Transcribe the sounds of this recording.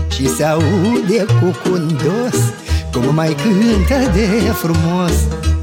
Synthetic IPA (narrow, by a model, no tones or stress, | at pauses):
t͡ʃisauud̪ekokond̪os | komʊmajkɨnt̪ɐd̪efɾumɔs